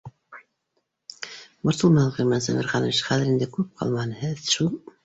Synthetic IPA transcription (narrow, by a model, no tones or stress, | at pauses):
bŏɾt̪ulˠmɑʁimænsæmæɾχɑnɤʃχæðɘɾind̪ɘkʉp̚qʰɑ̰lˠmɑnhɘðʃulˠ